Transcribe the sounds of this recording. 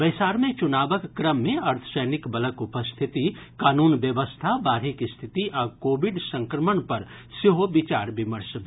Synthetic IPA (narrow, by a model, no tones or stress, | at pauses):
bɐjsaːɾmẽt͡ʃʊnaːbəkːɾəmːẽɐɾt̪ʰə̥səjnɪkbɐləkʊpəst̪ʰɪt̪ikaːnuːnʋjəʋəst̪ʰabaːɾɪkst̪ʰɪt̪iʔɔːkoːbɪɖsə̃ŋkɾəməɳpɐɾ | sɪɦobɪt͡ʃaːɾbɪməɾs